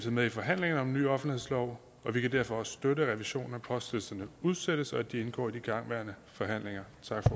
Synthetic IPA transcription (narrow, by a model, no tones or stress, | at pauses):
eð̩ˠmeðˠifɒ̽ɦæn̰le̝ŋɐnəɒ̽mny̰ːɒ̽fn̩ihḛslɒʊ | ɒ̽ʋikʰæd̥æɐ̰fɒ̽ɒ̽ssd̥øɾəʁɛʋiɕo̝̰ːn̩æpʰɒ̽sd̥elsɐnəuð̞ˠsed̥əsɒ̽æd̥ie̝nɡ̥ɒ̰ːid̥iɡ̥ɑ̈ŋ̰ʋæɐ̰nəfɒ̽ɦæn̰leŋɐt͡sʰɑ̈ɡ̥fɒ